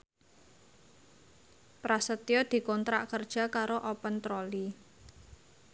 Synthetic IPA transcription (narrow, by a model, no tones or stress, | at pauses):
pɾasət̪jɔd̪̥i̤kɔnt̪ɾaʔkərd̥ʒ̥a̤kaɾoʔɔpənt̪ɾɔli